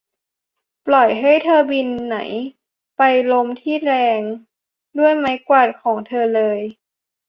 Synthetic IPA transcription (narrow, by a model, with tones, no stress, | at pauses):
plɔ˨˩jɦa˥˩jt̪ʰɤː˧bi˧nːa̰˩˦j | pa˧jlo˧mt̪ʰiː˥˩ɾɛː˧ŋ | du˥˩əjma˦˥jkwaː˨˩t̪̚kʰɔː˩˦ŋt̪ʰɤː˧lɤː˧j